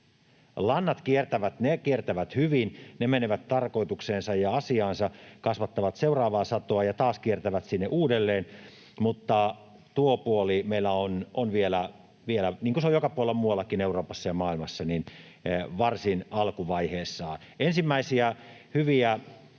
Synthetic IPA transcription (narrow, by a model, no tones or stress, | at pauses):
lɑnːɑt̪kiert̪æʋæt̪nekiert̪æʋæt̪hyʋinnemeneʋæt̪tɑrko̞it̪ukseːnsɑjɑɑsiɑːnsɑkɑsʋɑt̪ːɑʋɑt̪seurɑːʋɑːsɑt̪oɑjɑt̪ɑːskiert̪æʋæt̪sinːeʔuːdelːeːn | mut̪ːɑ | t̪uopuolimeilːæononʋielæ | ʋielæniːŋkuseojokɑpuolemuɑlːɑkineuroːpɑsːɑjɑmɑːilmɑsːɑnin | ʋɑrsinɑlkuʋɑiheːsːɑː | ensimːæisiæhyʋiæ